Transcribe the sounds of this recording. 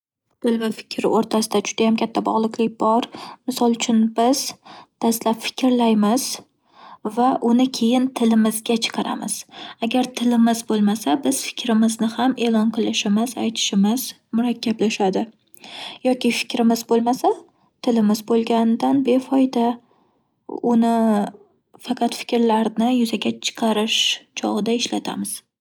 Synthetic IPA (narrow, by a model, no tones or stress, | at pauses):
t̪ʰɪlvɪfɪ̥kʲʰɾɪ̰ʔoɾt̪ʰasɪd̪ad͡ʒʊd̪ajamkʲʰat̪ʰːabɒ̰ʁlˠɨkʲlɪk̚ʲbɒɾmɪsɒlˠʊt͡ʃʰʊnbɪz̥d̪̥aslapfɪ̥kʲɾlajmɪz̥ | vaʔʊnɪkʲʰe̞jɪnt̪ʰɪlɪmɪzɡʲat͡ʃʰɨ̥qʰɑɾa̰mɪ̰z̥aɡʲaɾt̪ʰɪlɪmɪzbolˠmasabɪz̥fɪ̥kʲɾɪmɪznɪhame̞lˠɒnqʰɨlˠɪʃɪmɪza̰jt̪ʰɪ̥ʃɪmɪz | mʊɾakʲːablaʃad̪ɪ | jɒkʲɪfɪ̥kʲɾɪmɪzbolˠmasa | t̪ʰɪlɪmɪzbolˠɡʲand̪anbe̞fɒjd̪a | ʊnɪ | fɑqʰɑt̪fɪ̥kʲɾlaɾnɪjʊzaɡʲat͡ʃʰɨ̥qʰɑɾɪʃt͡ʃʰɒ̰ʁɨd̪aɪʃla̰t̪ʰa̰mɪz̥